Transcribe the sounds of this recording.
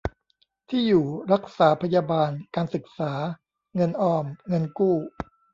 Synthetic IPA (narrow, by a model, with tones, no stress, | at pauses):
t̪ʰiː˥˩juː˨˩ɾa˦˥k̚saː˩˦pʰa˧jaː˧baː˧nkaː˧nsɯ˨˩k̚saː˩˦ | ŋɤ˧nʔɔː˧mŋɤ˧nkuː˥˩